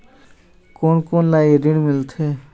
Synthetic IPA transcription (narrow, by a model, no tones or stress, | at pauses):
koːnkoːnlajɾɪɽ̃mɪlt̪ʰe